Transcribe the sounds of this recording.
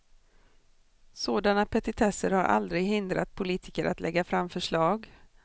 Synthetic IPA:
soːd̪anapʰɛt̪ɪt̪ʰɛsəɾhaɾʔa̰ld̪ɾɪɡhɪnd̪ɾat̪̚pʰʊliːt̪ʰɪkəɾʔa̰t̪lʔɛɡːafɾamːfœʂɭɑːɡ

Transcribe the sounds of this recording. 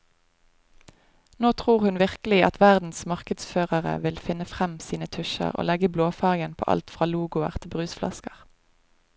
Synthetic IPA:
noːt̪ʰʁuːʁhʉnʋɪʁkəlɪɑt̪ʰʋæʁd̪n̩smɑʁkəd̪sføːʁəʁə̰ʋɪlfɪnəfʁɛmsiːnət̪ʰʉʃə̰ʁo̰ːlɛɡəbloːfɑːʁɡənpʰo̰ːʔɑ̰lt̪fʁɑːluːɡʊəʁt̪ʰɪbʁʉːsflɑ̰skəʁ

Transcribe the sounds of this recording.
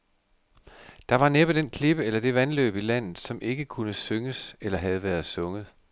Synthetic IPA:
d̥ɑ̈ʋɑ̈neb̥əd̥enkʰle̝b̥əelɐd̥e̝ʋænlø̰ːb̥ilæn̰ð̩ˠsɒ̽mʔe̝ɡ̥əkʰunəsøŋəselɐɦæð̞ˠʋæːɐð̞ˠsɔ̽ŋəð̞̩ˠ

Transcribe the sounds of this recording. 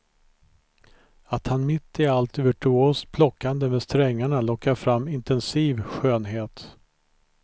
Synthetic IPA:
at̪hanmɪt̪ːɪalt̪vœʈʰɵoːst̪̚pʰlɔkːand̪əmɛst̪ɾɛŋːaɳalɔkːaɾfɾamːɪnt̪ɛnsiːvɧøːnɦeːt̪

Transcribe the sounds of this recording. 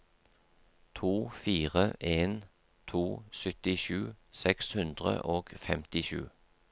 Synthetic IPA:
t̪ʰuːfiːʁəʔeːn | t̪ʰuːsœt̪ɪʃʉːsɛkshʉnd̪ʁə̰ʔoːɡ̥fɛmt̪ɪʃʉ̰ː

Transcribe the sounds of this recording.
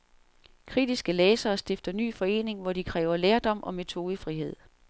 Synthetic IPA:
kʰʁid̥isɡ̥əlɛːsɐːsd̥e̝fd̥ɐny̰ːfɒ̽e̝̰ːne̝ŋʋɒd̥ikʰʁɛːʊɐleːɐd̥ɒ̽m̰ʔɒ̽me̝t͡sʰo̝ːðˠəfʁihe̝ð̞̰ˠ

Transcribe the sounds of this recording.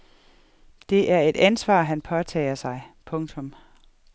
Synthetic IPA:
d̥e̝ʔæɐe̝d̥ænsʋɑ̰̈ːɦænpʰɒ̽t͡sʰɛ̰ɪɐsɑ̈ɪpʰɔ̽ŋt͡sʰɔ̽m

